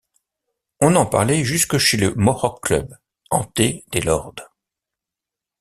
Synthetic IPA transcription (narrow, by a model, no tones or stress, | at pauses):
ɔ̃nɑ̃pa̰ʁlɛʒyskəʃeləmɔʁɔkːlœ̰b | ɑ̰̃t̪ed̪elɔʁd̪